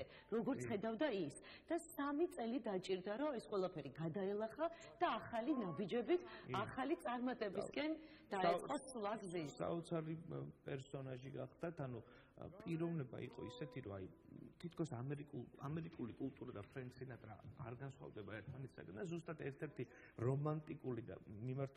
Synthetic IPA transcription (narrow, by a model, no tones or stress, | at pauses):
ɾɔɡɔɾt̪sʰχɛd̪avd̪aisd̪̥asamit̪sʼɛlid̪at͡ʃʼiɾd̪aɾɔɛsqʼwɛlˠapʰɛɾiɡad̪aɛlˠaχa | d̪̥aːχalinabid͡ʒɛbit̪ʰaχalit̪sʼaɾmat̪ʼɛbiskʼɛn | d̪̥at̪sʼqʼɔsulˠaɡzisa̰ɔt̪sʰaɾipʼɛɾsɔnaʒiɡaχd̪at̪ʰanu | pʼiɾɔvnɛba̰ḭqʼɔ̰isɛt̪ʰiɾɔajt̪ʰit̪ʰkʰɔsamɛɾikʼuamɛɾikʼulikʼulˠt̪ʼuɾad̪apʰɾɛnt̪sinat̪ʼɾa̰ːɾɡansχwa̰vd̪ɛbaɛɾt̪ʰmanɛt̪sa̰ɡand̪azust̪ʼat̪ʰɛɾt̪ʰɛɾt̪ʰi | ɾɔmant̪ʼikʼulid̪a̰mimaɾt̪ʰ